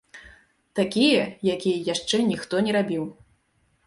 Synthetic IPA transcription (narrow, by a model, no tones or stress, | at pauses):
t̪akʲijɐjakʲijɐjaʂt͡ʂɛnʲixt̪ɔnʲɛɾabʲiw